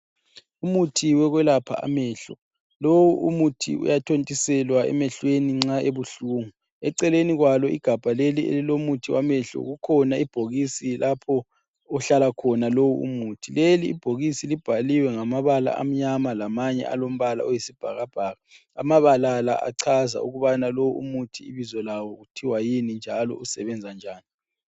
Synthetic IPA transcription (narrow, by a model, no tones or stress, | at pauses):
umutʰiwɛɣwɛlapʰa̰a̰mɛːɬɔ | lowuumutʰḭṵjatʰontʼisɛlwaɛ̰mɛɬweniŋ͡ǀaeβuɬuːŋu | ɛǀɛleniɣwalɔḭɡ̥ʱab̥ʱaleliḛlilomutʰiwamɛɬɔ̰ɣukʰɔnaib̥ʱoɣisilʔapʰɔ | ɔɬalakʰɔnalowuṵmutʰileliːb̥ʱoɣisilib̥ʱaliwɛŋamaβala̰ʔa̰m̩ɲamalamaɲɛ̰ʔa̰lom̩βala̰ojisib̥ʱaɣab̥ʱaːɣa | a̰maβalala̰ʔa̰ǀʰaza̰uɣuβanalowuumutʰiḭβizɔlawɔɣutʰiwajinind͡ʒʱalɔ̰usɛβɛnd͡zʱand͡ʒʱaːni